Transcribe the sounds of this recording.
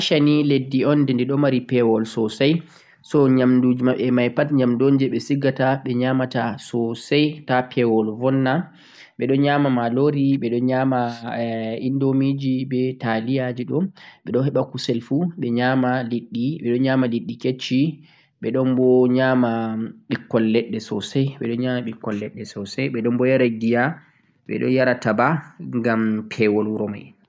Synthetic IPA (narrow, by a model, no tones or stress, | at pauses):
ʃaniledːiɔndɛndɛɗɔmaɾipɛwɔlsɔsaj | sɔɲamdud͡ʒimaɓɛmajpatɲamndond͡ʒɛɓɛsiɡataɓɛɲamatasɔsajtapʰɛwɔlvɔnːa | ɓɛɗɔnɲamamaloɾiɓɛɗɔɲama | indomid͡ʒibɛtalijad͡ʒiɗɔnɓɛɗɔnhɛɓakusɛlfuɓɛɲamaliɗːiɓɛɗɔnɲamaliɗːiket͡ʃːi | ɓɛɗɔnbɔɲaːmaɓikːɔlːɛɗːɛsɔsɛjɓɛ̰ɗɔnɲamaɓikːɔlːɛɗːɛsɔsɛjɓɛɗɔnbɔjaɾaɡija | ɓɛ̰ɗɔ̰njaɾatabaŋɡampʰɛwɔlɾɔma̰j